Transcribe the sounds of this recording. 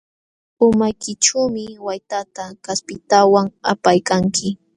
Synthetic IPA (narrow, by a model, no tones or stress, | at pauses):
ʊmajkɪʈ͡ʂuːmɪwajt̪at̪akaspɪt̪awaŋa̰pajkaŋkʰɪ